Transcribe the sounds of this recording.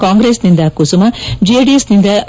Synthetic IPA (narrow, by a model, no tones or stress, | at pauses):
kaːŋɡɾeːsnind̪ɐkusumɐd͡ʒieɖiesnind̪ɐ